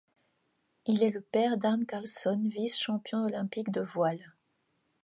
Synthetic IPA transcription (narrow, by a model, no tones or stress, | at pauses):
ilɛləpɛʁd̪aʁnkalsɔnvisʃɑ̃pjɔ̃ɔlɛ̃pikd̪əvwal